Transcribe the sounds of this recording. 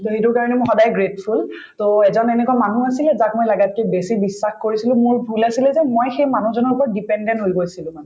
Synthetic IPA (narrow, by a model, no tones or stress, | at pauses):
toɦitʊɹkaɹɔnɛmɔ̃xɔdajɡɹetpʰul | toɛzɔnɛnɛkuamanuasilɛzak̚mɔjlaɡat̚kɛbesibisːaxkoɹisilʊ̃mʊɹbʱulasilɛzɛmojxejmanuzɔnɔɹupɔɹdipɛndɛntɦojɡojsilʊ̃man